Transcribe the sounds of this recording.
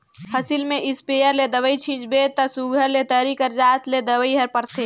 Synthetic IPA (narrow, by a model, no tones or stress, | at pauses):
həsilmẽʔɪspejəɾled̪əwəit͡ʃʰĩːt͡ʃbet̪əsuɡʱəɾlet̪əɾikəɾd͡ʒaːt̪ʰled̪əwəiɦəɾpəɾt̪ʰe